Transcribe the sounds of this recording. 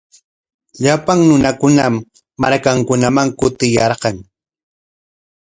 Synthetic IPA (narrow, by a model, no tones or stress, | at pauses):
ʎapaŋnʊnakʊnamː | aɾkaŋkʊnamaŋkʊt̪ɪjɑɾɢɑŋ